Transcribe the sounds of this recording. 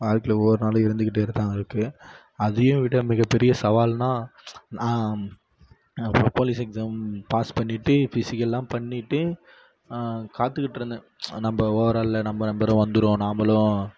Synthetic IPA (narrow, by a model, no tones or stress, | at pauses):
aːɾkɪlɔːɾɯnaːlɐ̃ɪɾɯnd̪ɯk̬ːɪʈːɯɪɾɯt̪ːaːŋɡɐɪɾɯkːɯ | ɐðɯjʊ̃ʋɪʈːɐmɪɣɐpːɛɾɪjɐsɐʋaːlnaːnãː | poːlɪsɛksaːmpaːspɐɳːɪʈːɯfɪsɪkːɐllãːpɐɳːɪʈːɯ | kaːt̪ːɯkːɪʈːɾɯnd̪ɯ | nɐmbɐoːɐɾaːllɐnɐmbɐnɐmbɐɾʊ̃ʋɐnd̪ɯɾõːnaːmɐlʊ̃